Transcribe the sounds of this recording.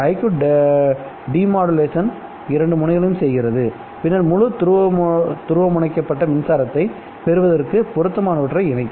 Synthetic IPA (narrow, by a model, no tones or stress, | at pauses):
ɐɪkɯ | ɖiːmaːɽɯleːsɐn | ɪɾɐɳɖɯmʊɳɐɪɣɐɭɐjɯmsɛjɣɪɾɐðɯ | pɪnːɐɾmʊɻɯt̪ɾt̪ʊɾɯʋɐmʊɳɐɪkːɐpːɐʈːɐmɪnsaːɾɐt̪ːɐɪ | pɛɾɯʋɐðɐrkɯpɔɾɯt̪ːɐmaːnɐʋɐʈːrɐɪɪnɐɪkː